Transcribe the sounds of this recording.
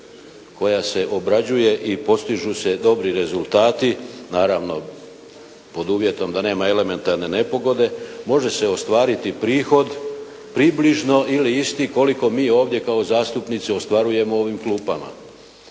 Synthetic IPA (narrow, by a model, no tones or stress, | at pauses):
ko̞jase̞ʔo̞bɾad͡ʑuje̞ʔipo̞st̪iʒuse̞d̪o̞bɾiɾe̞zulˠt̪aːt̪inaːɾaʋno̞ | po̞d̪uːʋje̞t̪o̞md̪ane̞ːmae̞le̞me̞nt̪aɾne̞ne̞po̞ɡo̞d̪e̞mo̞ʒe̞seo̞st̪ʋaːɾit̪ipɾiːxo̞d̪ | pɾibliʒno̞ʔiliist̪iko̞liko̞miːo̞ːʋd̪je̞kao̞zaːst̪upnit̪siost̪ʋaɾuje̞mo̞o̞ʋimklˠuːpama̰